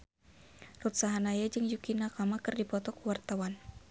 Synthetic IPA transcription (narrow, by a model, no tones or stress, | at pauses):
rut̪saɦanajad͡ʒɨŋjukinakamakɨrdipɔt̪ɔkuwart̪awan